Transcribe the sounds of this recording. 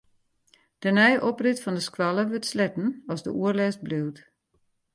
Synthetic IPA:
d̥ənɛjʔɔprɪtfɔndəskwalˠəʋøtslɛtn̩ɔzdə̰uərlɛs̚bliwt

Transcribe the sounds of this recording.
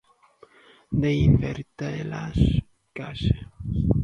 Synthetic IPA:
d̪einveɾt̪aelas | kaʃe

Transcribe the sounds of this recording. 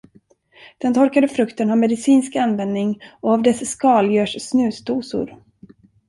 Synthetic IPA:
d̪̥ɛnt̪ʰɔɾkad̪əfɾɵkt̪ənamɛd̪ɪsiːnskanvɛnd̪nɪŋɔavd̪ɛsːkɑːljœːʂsnʉ̟ːsd̪uːsʊ̰ɾ

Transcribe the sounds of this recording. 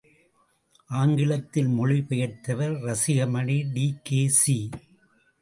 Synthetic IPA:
ʔaːŋɡɪlɐt̪ːɪlmɔɻɪpɐjɐt̪ːɐʋɐɾɾɐsɪɣɐmɐɳiɖiːkeːsi

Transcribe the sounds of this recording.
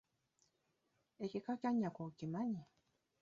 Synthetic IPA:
ekekakaɲakʷokimaɲi

